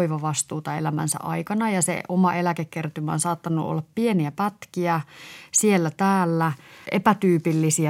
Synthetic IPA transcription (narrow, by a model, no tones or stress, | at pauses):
iʋɑʋɑst̪uːt̪ɑḛlæmæ̰nsæ̰ʔɑikɑnɑjɑsḛʔomɑʔelækekkert̪ymæonsɑːt̪ːɑnːuʔo̰lːɑppieniæpæt̪kiæsielːæt̪æːlːæepæt̪yːpilːisiæ